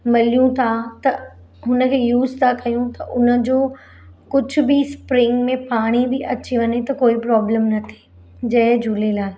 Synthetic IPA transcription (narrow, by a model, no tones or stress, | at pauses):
mɐlijũt̪ʰat̪ɐ | ɦʊnə̆kʰeːjuːzt̪ʰakɐjũt̪ɐʔʊnə̆d͡ʑoː | kʊd͡ʑʱʊ̆bɪspɾɪ̃ŋɡmẽpaːɽ̃ibɪʔɐt͡ɕiʋɐɲet̪ɐkoːipɾɔːbləmnɐt̪ʰi̥ | d͡ʑɐɦd͡ʑʱulelaː